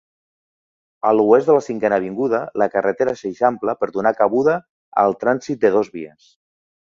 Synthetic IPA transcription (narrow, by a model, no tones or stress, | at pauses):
əluezd̪ələsiŋkɛnəβ̞iŋɡuðələkərət̪eɾaseʃampləpəɾðunakəβ̞uðə | ə̰lˠt̪ɾansit̪̚d̪əð̞ozβiəs